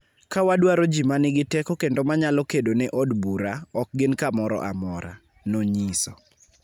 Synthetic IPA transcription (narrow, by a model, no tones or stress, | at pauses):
kawadwaɾod͡ʒimanɪɡɪtɛkɔkendomaɲalɔkedonɛʔɔdbuɾaɔk̚ɡɪnkamɔɾɔ̰ʔa̰mɔɾa̰ | noɲisɔ